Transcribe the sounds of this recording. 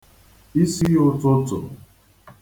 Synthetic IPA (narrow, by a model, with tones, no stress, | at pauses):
i˦si˦ʊ˦tʊ˦tʊ̰˨